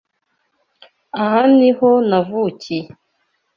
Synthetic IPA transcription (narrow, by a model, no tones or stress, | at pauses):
ahanihonavuci